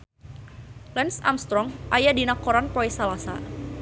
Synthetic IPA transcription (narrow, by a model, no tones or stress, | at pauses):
lɛnsa̰mst̪ɾɔŋʔajadinakɔɾanpɔisalasa̰